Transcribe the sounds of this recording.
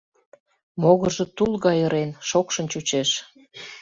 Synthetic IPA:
moɣə̆ʒə̆t̪ulɣɑjəɾenʃokʃə̆nt͡ɕut͡ɕeʃ

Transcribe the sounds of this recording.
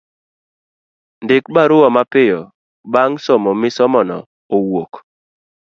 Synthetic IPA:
ndɪk̚baɾʊwamapɪjɔ | baŋsɔmɔmɪsɔmɔnɔ̰ | owok

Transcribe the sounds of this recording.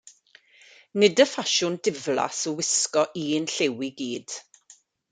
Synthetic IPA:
nɪdəfaʃʊndɪvla̰sɔwɪskɔʔiːnɬewiɡiːd̥

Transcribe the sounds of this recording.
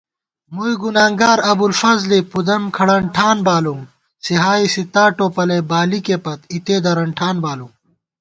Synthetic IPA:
mujɡunaːŋɡaːɾɐbulfɐzlipud̪ɐmkʰɐɽɐɳʈʰaːnbaːlu | siɦaːisit̪aːʈoːpɐlebaːlikepɐt̪it̪eːd̪ɐɾɐɳʈʰaːnbaːlu

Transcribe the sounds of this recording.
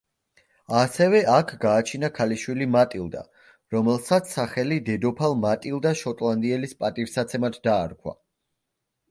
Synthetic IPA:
asɛvɛʔakʰɡaːt͡ʃʰinakʰaliʃwilimat̪ʼilˠd̪a̰ | ɾɔmɛlˠsat̪sʰsːaχɛlid̪ɛd̪ɔpʰalˠmat̪ʼilˠd̪aʃɔt̪ʼlˠand̪iɛlispʼat̪ʼivsat̪sʰɛmat̪d̪aːɾkʰwa̰

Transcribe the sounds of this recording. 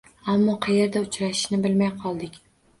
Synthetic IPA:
amːɒqʰɑjeɾd̪aʊt͡ʃɾaʃɪ̥ʃnɪbɪlmajqʰɒlˠd̪ɪkʲ

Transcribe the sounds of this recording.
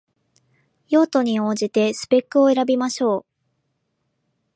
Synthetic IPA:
jo̞ːt̪o̞ɲ̟io̞ːʑit̪e̞sɨ̥pe̞kːɯ̟o̞e̞ɾabʲimaɕo̞ː

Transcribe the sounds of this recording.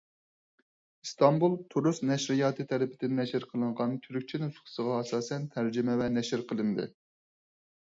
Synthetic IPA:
ɨst̪ɑmbulˠt̪ʰuɾusnɛʃɾɪjɑːt̪ʰɨt̪ʰɛlɪpʰɪd̪ɪnːɛʃɪɾqʰəlˠɨɴʁɑnt̪ʲʰyɾykʲt͡ʃʰinusχʰə̥səʁɑɑsɑːsɛnt̪ʰæɾd͡ʒɪmɛvɛnɛʃɾqʰəlˠɨnd̪ɨ̰

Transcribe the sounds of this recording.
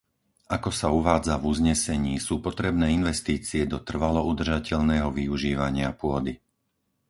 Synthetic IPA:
akɔsauʋaːd͡zavuzɲɛsɛɲiːsuːpɔt̪ɾɛbnɛːinʋɛst̪iːt͡siɛd̪ɔt̪r̩ʋalɔud̪r̩ʒacɛʎnɛːɦɔʋiuʒiːʋaɲɪapʊɔd̪i

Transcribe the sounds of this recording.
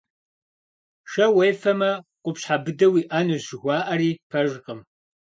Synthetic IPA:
ʃɐwejfɐmɐqʷʊpɕħabɨdɐwiːʔaːnuʑɪɣʷɑːʔɐɾiːpʰɐʒqəm

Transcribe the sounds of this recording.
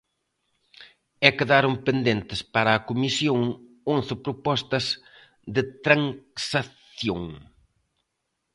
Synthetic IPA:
ɛkɪðaɾompend̪ent̪ɪspaɾɐːkumisjoŋ | õnθɪpɾopɔst̪ɐz | ðɪt̪ɾaŋsaθjoŋ

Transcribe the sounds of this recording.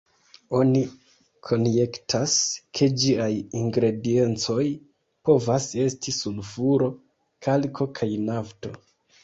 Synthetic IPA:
o̞ni | kʰo̞nje̞ktʰaskʰe̞d͡ʒiajiŋɡɾe̞die̞nt͡so̞j | po̞vase̞stisulfuɾo̞ | kʰalkʰo̞kʰajnafto̞̰

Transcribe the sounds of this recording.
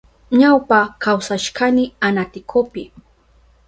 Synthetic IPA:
ɲawpakawsaʃkanɪanat̪ɪkʰopɪ

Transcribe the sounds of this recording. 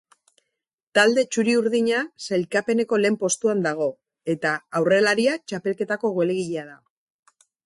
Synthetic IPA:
t̪ald̪e̞t͡ʃuɾiuɾðiɲaselkape̞ne̞ko̞le̞ːmpo̞st̪uand̪aɣ̞o̞ | e̞t̪aːwre̞laɾiat͡ʃape̞lke̞t̪ako̞ɣoweleɣiʎeað̞a

